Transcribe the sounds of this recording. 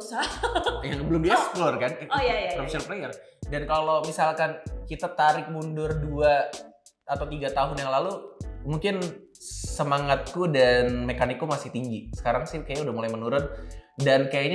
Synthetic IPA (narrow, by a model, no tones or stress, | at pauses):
usajaŋbəlʊmbiɛksplɔrkanjajaamʃərplejərdankalomisalkankit̪at̪aɾɪk̚mundʊrduaː | t̪awt̪̬iɡat̪aɦʊnjaŋlalumuŋkɪn | səmaŋat̪̚kudanmekanɪk̚ːumasɪht̪iŋɡisə̥kaɾaŋsɪkajaudahmulajmənuɾʊndankajaɲa